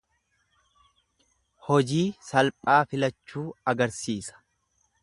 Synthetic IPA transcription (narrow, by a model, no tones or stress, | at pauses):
hɔd͡ʒiːsɐlpʼaːfɪlɐt͡ʃːuːɐɡɐɾsiːsɐ̥